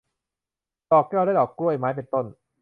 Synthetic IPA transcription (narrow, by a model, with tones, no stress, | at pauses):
t̪ɔː˨˩k̚ːɛː˥˩wɾaː˥˩jʔɔː˨˩kːu˥˩əjmaː˦˥jp̬e˧nt̪o˥˩n